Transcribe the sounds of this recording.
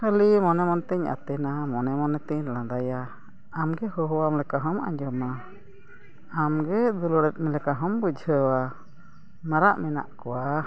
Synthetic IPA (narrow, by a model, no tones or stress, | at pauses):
həlimɔnɛmɔnt̪ɛɲa̰t̪ɛnamɔnɛmɔnɛt̪ɛɲlãd̪ajaː | mɡɛɦɔɦɔwamlɛkaɦɔma̰ɲd͡ʒɔma | amɡɛd̪ulɔɽɛt̪̚ˀmɛlɛkaɦɔmbud͡ʒʱəwa | maɾaʔmɛna̰ʔkɔwa